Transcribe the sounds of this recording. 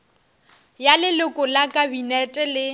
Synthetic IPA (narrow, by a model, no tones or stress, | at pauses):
jalɪlʊkʼʊlakʼabinɛtʼɛlɪ